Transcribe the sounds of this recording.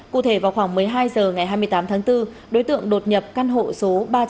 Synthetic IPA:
kṵ˧˨t̪ʰe˧˩vaː˨˩wxwaː˧˩ŋmɨ˨˩əjɦaː˧jzəː˨˩ŋa˨˩jɦaː˧jmɨ˧əjt̪aː˨˦mt̪ʰaː˨˦ŋt̪ɨ˧ | ɗo˨˦jt̪ɨ̰˧˨əŋɗo˨˩t̚ɲə˨˩p̚kaː˧nɦo̰˧˨so˨˦ɓaː˧

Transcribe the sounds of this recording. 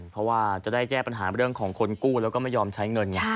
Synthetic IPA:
pʰɾɔ˦˥waː˥˩t͡ɕa˨˩daː˥˩jkɛː˥˩pa˧nɦaː˩˦ɾɯ˥˩əŋkʰɔː˩˦ŋkʰo˧nkuː˥˩lɛː˦˥kɔː˥˩ma˥˩jɔː˧mt͡ɕʰa˦˥jŋɤ˧nŋa˧˥˩

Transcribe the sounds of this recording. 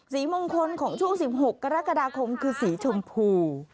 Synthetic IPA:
si˧˩˦mo˧ŋkʰo˧nkʰɔː˧˩˦ŋt͡ɕʰu˧˥ə˧ŋsi˨˦p̚ho˨˩kːaː˧ɾaː˦˥kaː˧ɗaː˧kʰo˧mkʰɯː˧si˨˩˦t͡ɕʰo˧mpʰuː˧

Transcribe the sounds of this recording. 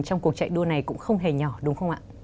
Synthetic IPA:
t͡ɕɔ˧wŋ͡mku˨˩ək̚t͡ɕa̰˧˨jɗu˧əna˨˩jkʊ̰˧˥ŋ͡mxə˧wŋ͡mɦe˨˩ɲɔ˧˩ɗʊ˨˦ŋ͡mxə˧wŋ͡mʔa̰ː˧˨

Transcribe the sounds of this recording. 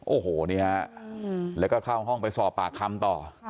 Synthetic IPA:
ʔoː˨˩hoː˨˩˦ni˦˥˩ha˥˧ʔlɛː˦˥kɔː˥˩kʰaː˥˩wɦɔ˥˩ŋpa˧jsɔː˨˩pːaː˨˩kʰːa˧mt̪ɔː˨˩

